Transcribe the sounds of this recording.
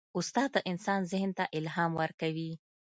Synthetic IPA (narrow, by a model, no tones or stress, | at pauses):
ʊst̪ɑd̪̚d̪əʔɪnsɑnzɪhnt̪aʔɪlɦɑmwəɾkawi